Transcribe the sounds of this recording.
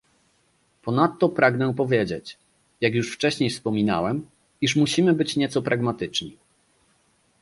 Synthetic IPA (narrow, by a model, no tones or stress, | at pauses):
pɔnat̪ːɔpɾaɡnɛpɔvʲjɛd͡ʑet͡ɕ | jakjuʂft͡ʂɛɕɲejfspɔmʲina̰wɛm | iʂ̬muɕimɘbɘt͡ɕɲɛt̪sɔpɾʔaɡmat̪ɘt͡ʂɲi